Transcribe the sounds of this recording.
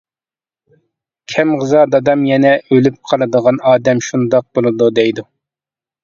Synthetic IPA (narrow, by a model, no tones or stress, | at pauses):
kʲʰɛmʁəzɑd̪ɑd̪ɑmjɛnɛʔølyp̚qʰɑlˠɨd̪əʁɑnɑːd̪ɛmʃund̪ɑq̚bolˠɨd̪ud̪ɛjd̪u